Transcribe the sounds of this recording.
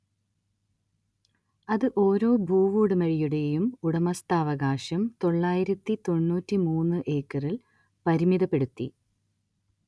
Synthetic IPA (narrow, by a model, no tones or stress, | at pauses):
ɐðɨʔo̞ːɾo̞ːbʱuːʋuːɽɨmɐɻijuɽe̞jumuɽɐmɐst̪aːʋɐɣaːɕɐmt̪o̞ɭːaːjiɾɐt̪ːit̪o̞ɳːuːtːimuːnːɨʔe̞ːkːɐril | pɐɾimiðɐpːe̞ɽut̪ːḭ